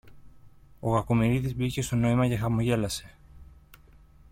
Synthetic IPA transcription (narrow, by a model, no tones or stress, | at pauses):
o̞ɣɐkomiɾiðizbice̞st̪ono̞imɐce̞xɐmoʝe̞lɐse̞